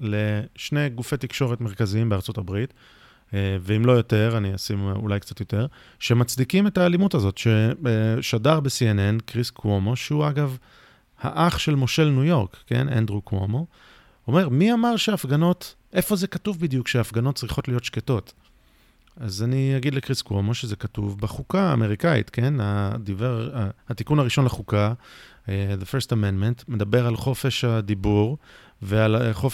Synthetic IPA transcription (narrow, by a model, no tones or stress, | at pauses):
le̞ʃne̞jɡufet̪ikʃo̞ʁetme̞ʁ̞kaziimbeaʁt͡so̞tabʁit̪ | veimlo̞jo̞te̞ʁaniasimṵlajkt͡sat̪jo̞te̞ʁ | ʃe̞mat͡sdikime̞taːlimutazo̞tʃeʃadaʁbesienenkʁiskomo̞ʃehuaɡav | ha̰ʔaχʃe̞lmo̞ʃe̞lnujo̞ʁkːe̞̰nḛnd̪ʁuko̰mo̞ | ome̞ʁmiamaʁʃeːfɡano̞t | ʔe̞fo̞zekatuvbidjukʃeaːfɡano̞t̚t͡sʁiχo̞tlijo̞tʃketo̞t | azaniaɡid̪lekʁiskwomo̞ʃeze̞katuvbeχuka̰ːme̞ʁikaḭtke̞nad̪iveʁahat̪ikunhaʁiʃo̞nlaχuka | ðefeʁstamendmentme̞d̪abe̞ʁalχo̞fe̞ʃad̪ibuʁ | vealχof